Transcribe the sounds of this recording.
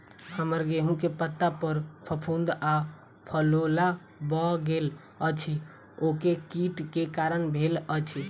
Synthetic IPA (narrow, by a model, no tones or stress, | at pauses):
həməɾɡeɦũkepət̪ːapəɾpʰəpʰund̪a | pʰəlola | bɔɡel | ət͡ʃʰi | okekiʈkekaɾənbʱelət͡ʃʰi